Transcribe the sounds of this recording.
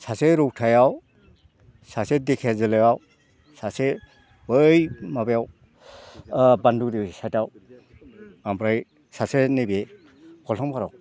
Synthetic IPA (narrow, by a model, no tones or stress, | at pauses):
saseɾuk̚tʰajaw | sasedekʰezɯlɯjaw | sase | bɯjmabejaw | bandukdisataw | ambɾaj | sasenebe | kʰɔltʰɔŋpʰaɾaw